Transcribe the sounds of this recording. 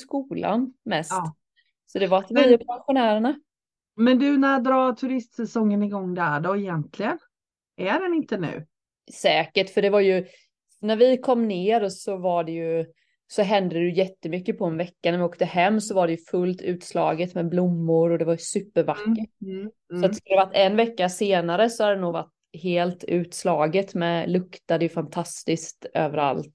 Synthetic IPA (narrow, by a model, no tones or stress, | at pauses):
skuːla̰nmɛst | sɔd̪ɛvaat̪vɪpanɧʊnæːɾəɳa | mɛnd̪ɵnæɾjad̪ɾɑːt̪ʰɵɾɪst̪sɛsɔŋːənɪɡɔŋːd̪æɖɔɪjɛnt̪ʰlɪɡən | ʔæɖɛnɪnt̪ənʉ̰ː | sɛːkəʈfœɖɛvaɾjɵ | næɾvɪkʰɔmːneːɾɔsɔvaɖɛjɵ | sɔɦɛnd̪əɾɛjjɛt̪ːəmʏkːəpʰɔɛnvɛkːanæɾvɪoːk̚t̪əhɛmːsɔvaɖɛjɵfɵlt̪ʰʉ̟ːt̪slɑ̰ːɡət̪mɛblʊmːʊɾɔd̪ɛvaɾsʉ̟ːpːəɾvakːəʈ | sɔat̪skld̪ɛvaʈ̪ːɛnvɛkːaseːnaɾəsɔhad̪d̪ɛnuːɡva̰ʈː | ɦeːlt̪ʉ̟ːt̪slɑːɡət̪mɛlɵkt̪ad̪əjɵfant̪ʰast̪ɪskt̪øːvəɾa̰lt̪